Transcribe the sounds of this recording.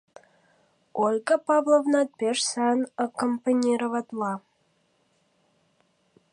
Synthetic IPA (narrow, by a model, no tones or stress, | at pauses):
olʲɡəpɑvlˠovnɑt̪̚peʃsɑnəkompɑnʲiɾovɑt̪lɑ